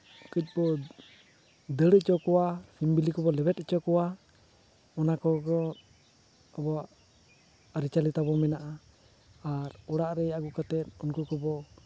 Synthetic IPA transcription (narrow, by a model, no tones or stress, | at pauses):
kəc̚bɔ | d̪əɽəʔt͡ʃɔkɔwasimbilikɔbɔlɛbɛt̪t͡ʃɔkɔwa | ɔnakɔɡɔ | abɔaʔ | aɾit͡ʃalit̪abɔmɛnaʔaː | ɾɔɽaʔɾɛaɡukat̪ɛt̪ɔnkukɔbɔ